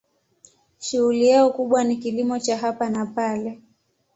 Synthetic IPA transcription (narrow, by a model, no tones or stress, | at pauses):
ʃuɣulijaɔkuɓwanikilimɔt͡ʃaɦapanapalɛ